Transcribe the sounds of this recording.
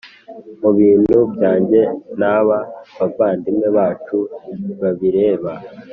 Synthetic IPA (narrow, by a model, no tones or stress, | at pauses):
muβiːnubɟaːɲɟe̞naβaβavaːndimŋeβaːt͡ʃuβaβiɾe̞ːβa